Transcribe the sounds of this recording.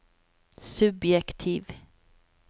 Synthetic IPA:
sɵbjɛkt̪ʰiːv

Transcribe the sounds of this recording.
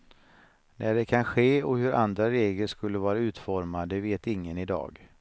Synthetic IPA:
næɖɛkʰanɧeːɔhɵɾa̰nd̪ɾaɾeːɡləʂkɵlːəvɑːɾaʉ̟ːt̪fɔɾmad̪əveːt̪ɪŋːənɪd̪ɑ̰ːɡ

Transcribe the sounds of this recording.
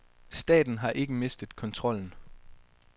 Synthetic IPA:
sd̥ɛ̰ːd̥n̩ɦɑ̈ʔe̝ɡ̥əme̝sd̥ð̞̩ˠkʰɒ̽nt͡sʰʁɒ̽l̰n̩

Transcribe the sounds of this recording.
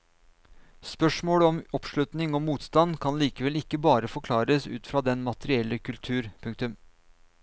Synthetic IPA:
spœʂmoːɽəɔmɔpʂlʉt̪nɪŋɔmuːt̪st̪ɑnkʰɑnliːkəʋɛlɪkːəbɑːɾəfɔɾkʰlɑːɾəsʉ̰ːt̪fɾɑːd̪ɛnmɑt̪əɾɪɛlːəkʰʉlt̪ʰʉːɾpʰʉŋk̚t̪ʉm

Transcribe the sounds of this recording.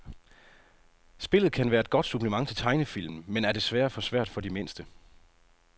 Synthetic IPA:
sb̥e̝lð̞̩ˠkʰænʋæːɐe̝d̥̚ɡ̥ɒ̽d̥sub̥ləmɑ̈ŋ̰t͡sʰe̝t͡sʰɑ̈ɪnəfil̰mn̩menæɐd̥e̝sʋæːɐfɒ̽sʋæɐ̰d̥fɒ̽d̥ime̝n̰sd̥ə

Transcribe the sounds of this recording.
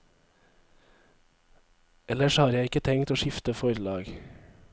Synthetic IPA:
ɛləʃhɑːɾjæɪɪkət̪ʰɛŋt̪oːʃɪft̪əfɔɾlɑːɡ

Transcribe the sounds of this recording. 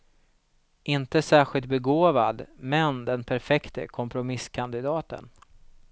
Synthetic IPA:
ɪnt̪əsæːɾɧɪlt̪̚bɛɡoːva̰d̪mɛnd̪ɛnpʰæɾfɛkt̪ə̰kʰɔmpɾʊmɪskʰand̪ɪd̪ɑːt̪ə̰n

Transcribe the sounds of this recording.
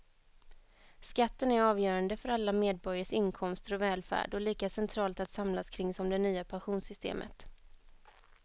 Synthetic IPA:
skat̪ːənæɾɑːvjœːɾand̪əfœɾalːameːd̪̚bɔɾjaʂɪnkʰɔmst̪əɾɔvɛːlfæ̰ːɖɔliːkasɛnt̪ʰɾɑːlt̪at̪samlaskʰɾɪŋsɔmd̪ɛnyːapʰanɧuːnsʏst̪ḛːmʔə̰t̪

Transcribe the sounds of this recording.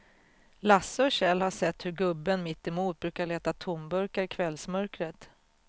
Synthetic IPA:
lasːəɔɕɛlhaʂɛt̪ːhɵɾɡɵbːənmɪt̪ːɪmuːt̪̚bɾʉ̟ːkaɭeːt̪at̪ʰʊmbɵɾkaɾɪkʰvɛlsmœɾkɾət̪

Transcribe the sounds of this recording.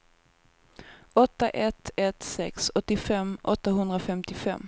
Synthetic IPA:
ɔt̪ːaʔɛt̪ʰɛt̪sɛksɔt̪ːɪfɛmːʔɔ̰t̪ːaɦɵnd̪ɾafɛmt̪ɪfɛ̰mː

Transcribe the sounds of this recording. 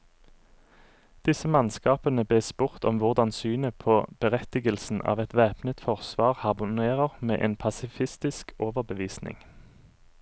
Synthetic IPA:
d̪̥ɪsəmɑnskɑːpənəb̪eːspʊʁt̪ɔmʋʊʁd̪ɑnsyːnəpʰoːb̥əʁɛt̪ɪɡəlsn̩ʔɑ̰ːʋɛt̪ʋæːpnət̪fɔʁsʋɑːʁhɑʁmʊneːʁəʁmḛːʔḛːnpʰɑsɪfɪst̪ɪskʰoːʋəʁbəʋiːsnɪ̰ŋ

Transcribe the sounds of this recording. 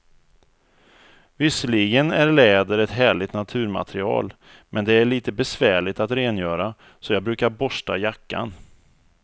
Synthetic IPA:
vɪsːəɭiːɡənæɾɭɛːd̪əɾɛt̪ɦæːɭɪt̪nat̪ʰʉ̟ːɾma̰t̪ɾɪɑ̰ːl | mʔɛnd̪ɛæɭiːt̪əbɛsvæːɭɪt̪at̪ɾeːnjœːɾa | sɔjɑːbɾʉ̟ːkaɾbɔʂʈajakːa̰n

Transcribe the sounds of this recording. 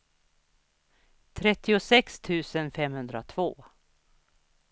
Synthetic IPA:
t̪ʰɾɛt̪ːɪʊsɛkst̪ʰʉ̟ːsənfɛmhɵnd̪ɾat̪ʰv̥o̰ː

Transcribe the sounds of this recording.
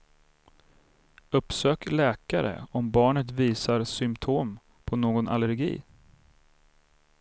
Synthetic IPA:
ɵpsøːklɛːkaɾə̰ɔmbɑːɳət̪viːsaɾsʏmt̪ʰoːm | pʰɔnoːɡɔna̰ləɾɡḭː

